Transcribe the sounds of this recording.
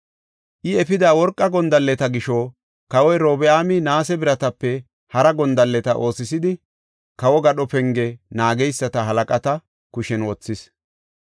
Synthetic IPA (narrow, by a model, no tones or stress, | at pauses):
ʔɪɛfɪd̪aːwɔɾkʼːɐɡɔnd̪ɐlːɛt̪ɐɡɪʃɔ | kɐwɔjɾoːbɛaːmɪnaːsɛbɪɾɐt̪ɐpːɛ | hɐɾɐɡɔnd̪ɐlːɛt̪ɐʔo̞ːsɪsɪd̪ɪ | kɐwɔɡɐɗɔpɛŋɡɛnaːɡɛjsːɐt̪ɐɦɐlɐkʼɐt̪ɐ | kʊʃɛnwɔt͡sːɪs